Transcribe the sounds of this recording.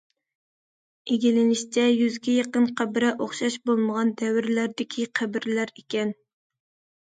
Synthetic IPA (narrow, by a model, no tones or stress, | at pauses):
eɡʲilɪnɪʃt͡ʃ̪ʰɛjyzɡʲɛjɑqənqʰæbɪɾɛʔoχʃɑʃbolˠməʁɑnd̪ɛwɪɾlæɾd̪ɪkʲʰiqʰæbɪɾlæɾekʲɛn